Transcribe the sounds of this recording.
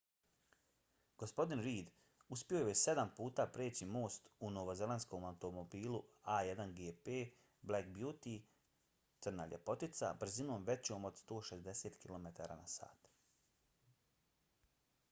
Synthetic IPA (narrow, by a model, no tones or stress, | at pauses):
ɡ̥ospo̞d̪inɾiːd̪ | uspio̞jojese̞d̪ampuːt̪aːpɾeːt͡ɕimo̞ːst̪uno̞ʋoze̞lansko̞mawt̪omobiːluaːje̞d̪anɡeːpeː | blekbjuːt̪i | t̪ɨrna̰ːʎḛpo̞t̪it̪sa̰br̩zino̞ːmʋe̞t͡ɕo̞ːmo̞d̪st̪o̞ːʃezd̪e̞se̞ːt̪kilˠo̞met̪aːɾa̰ːnasa̰ːt̪